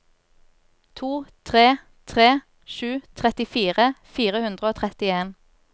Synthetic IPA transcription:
t̪ʰuːt̪ʰʁeː | t̪ʰʁeː | ʃʉːt̪ʰʁɛt̪ɪfiːʁəfiːʁəhʉnd̪ʁəoːt̪ʰʁɛt̪ɪeːn

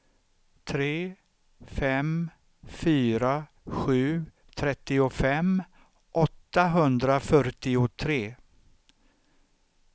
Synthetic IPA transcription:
t̪ʰɾeː | fɛm | fyːɾa | ɧʉ̟ː | t̪ʰɾɛt̪ːɪʊfɛm | ʔɔt̪ːaɦɵnd̪ɾafœɾʈɪʊt̪ʰɾeː

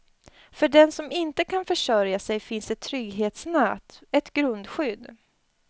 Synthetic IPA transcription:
fœɖɛnsɔmɪnt̪əkʰanfœʂœɾjasɛjfɪnsɛt̪ʰːɾʏɡɦeːt̪snɛːt̪ɛt̪ɡɾɵnd̪ɧʏd̪

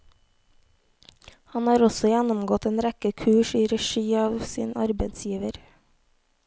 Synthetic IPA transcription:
hɑnhɑːɾɔsɔjænɔmɡɔt̪eːnɾækəkʰʉːʃiːɾɛʃiːɑːʋsḭːnɑ̰ɾbed̪sjiːʋəɾ

